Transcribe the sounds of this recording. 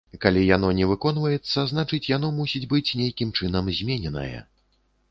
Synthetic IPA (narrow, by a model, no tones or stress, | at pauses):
kalʲijan̪ɔnʲɛvɨkɔnvɐjɛt̪sːɐzn̪at͡ʂɨt͡sʲjan̪ɔmusʲid͡zʲbɨt͡sʲnʲejkʲimt͡ʂɨn̪ɐmzʲmʲenʲɛnɐ̰jɐ̰